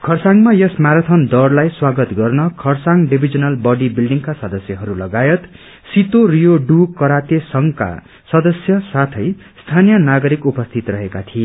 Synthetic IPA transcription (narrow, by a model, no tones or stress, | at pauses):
kʰʌrsaŋmajʌsmaɾat̪ʰʌnd̪ʌrlajswaɡʌt̪ɡʌrnʌkʰʌrsaŋɖibʱid͡zʌnʌlbʌɖibilɖiŋkasʌd̪ʌsjʌɦʌɾulʌɡajʌt̪ | sit̪orijoɖukʌɾat̪esʌŋka̰ | sʌd̪ʌsjʌsat̪ʰʌj | st̪ʰanijʌnaɡʌɾikupʌst̪ʰit̪rʌɦekat̪ʰie